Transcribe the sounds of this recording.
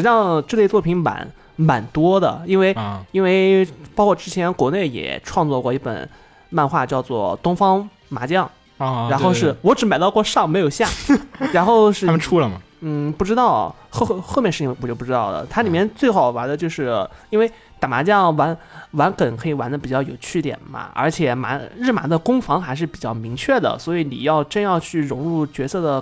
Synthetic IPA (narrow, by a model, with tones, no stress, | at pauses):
ʈ͡ʂɻ̩˨˩˥jɑ˥˧ŋʈ͡ʂɻ̩˥˧le˥˧ɪt͡swɔ˥˩pʰi˧˥ŋma̰˧˩˦n | ma˨˩nt̪wɔ˥d̪ə˨i˥nwe˥˩ɪi˥nwe˥˧ɪpɑ˥kʰwɔ˥˧˩ʈ͡ʂɻ̩˥t͡ɕʰjɛ˧˥nkwɔ˧˥ne˥˩ɪjɛ̰˨˩ʈ͡ʂʰwɑ˥˧ŋt͡swɔ˥˧kwɔ˥˧i˥˩pə̰˨˩˦n | ma˥˧nxwa˥˧t͡ɕjɑ˥˧ʊt͡swɔ̰˥˩t̪ʊ˥ŋfɑ˥ŋ | ma˧˥t͡ɕjɑ˥˩ŋ | ɻa˧˥nxo˥˧ʊʂɻ̩˥˩wɔ˧˥ʈ͡ʂɻ̩˧˥ma˨˩ɪt̪ɑ˥˧ʊkwɔ˥˧ʂɑ˥˩ŋme˧˥ɪjo˨˩ʊɕja˥˩ɻa˧˥nxo˥˧ʊʂɻ̩˥˧əʈ͡ʂʰu˥lə˨mɐ̰˩ | n̩˥˩pu˥˩ʈ͡ʂɻ̩˥t̪ɑ˥˧ʊ | xo˥˧xo˥˧ʊmjʂ̩˥˧˥wɔ˧˩t͡ɕjo˥˧˩pu˥˧˩ʈ͡ʂ̩ɻɑ˥˩ʊd̪ə̰˩t̪ʰa˥li˨˩mjɛ˥˧nt͡swe˥˩ɪxɑ˨˩ʊwa˧˥nd̪ə˧t͡ɕjo˥˧ʊʂɻ̩˥˩i˥nwe˥˩ɪ | t̪a˨˩ma˧˥t͡ɕjɑ˥˩ŋwa˧˥n | wa˧˥nkə˨˩nkʰɤ˧˥i˨˩wa˧˥nd̪ə˧pi˨˩t͡ɕjɑ˥˩ʊjo˨˩ʊt͡ɕʰy˥˩t̪jɛ̰˨˩nmɐ̰˩ə̰˞˧˥t͡ɕʰjɛ˨˩ma̰˧˥nɻ̩˥˩ma̰˧˥d̪ə˧kʊ˥ŋfɑ˧˥ŋxa˧˥ɪʂɻ̩˥˩pi˨˩t͡ɕjɑ˥˩ʊmi˧˥ŋt͡ɕʰɥɛ˥˩d̪ə̰˩swɔ˧˥i˧˥nḭ˨˩jɑ˥˧ʊʈ͡ʂɤ˥˧njɑ˥˧ʊt͡ɕʰy˥˩ɻʊ˧˥ŋɻu˥˩t͡ɕɥɛ˧˥sɤ˥˩d̪ə˩